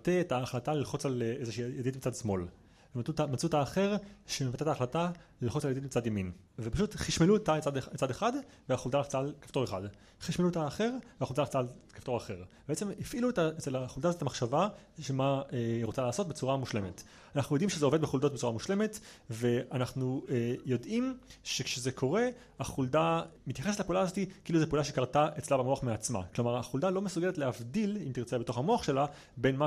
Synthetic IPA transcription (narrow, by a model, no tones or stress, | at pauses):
teetaːχlatalilχot͡salezeʃijaditmit͡sadsmo̞l | vemautmat͡sutaːχe̞ʁʃemevatetaːχlatalelχot͡saljad̪itmit͡sadjamin | vepaʃutχiʃmeluetait͡sadit͡sadeχad | veaχoldanaχt͡saːlkḁfto̞ʁeχad | χiʃmeluet̪aːχe̞ʁveaχoldanaχt͡saːlkḁftoaχeʁbeet͡semifʔiluetaet͡selaχuldazottamaχʃava | ʃemaeʁot͡salaːso̞t̚bet͡suʁamuʃle̞met | anaχnujo̞d̪imʃezeo̞ve̞d̪̚beχuldo̞t̚bet͡suʁamuʃle̞me̞tve̞anaχnujo̞dʔimʃekʃezekʰo̞ʁe̞ | aχuldamit̪jaχesetlapeʔuːlaːzo̞t̪ikiiluzepeʔulaʃe̞kaʁtaʔet͡slabemoaχmeat͡sma̰klomaʁaχuldalo̞mesuɡeletleavdilimtiʁt͡sebet̪o̞χamoaχʃe̞la | benma